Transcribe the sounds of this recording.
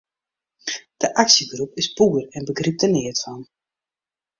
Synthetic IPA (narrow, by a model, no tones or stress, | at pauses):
d̥əʔaksəɡrupɪspuərɛnbəɡrip̚tənɪətfɔn